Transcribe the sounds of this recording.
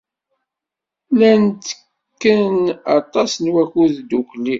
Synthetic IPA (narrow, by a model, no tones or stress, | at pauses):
lænt̪ə̥ | kːənɑ̰t̪ˤɑsnwækuðd̪ukli